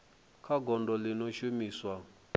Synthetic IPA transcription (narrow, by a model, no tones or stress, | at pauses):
kʰaɡɔndɔlinɔʃumiswa